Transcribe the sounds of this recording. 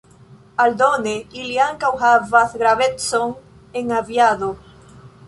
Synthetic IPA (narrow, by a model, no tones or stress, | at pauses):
ald̪oneiljaŋkawɦaβaθɣɾaβet̪soŋ | eŋaβjaðo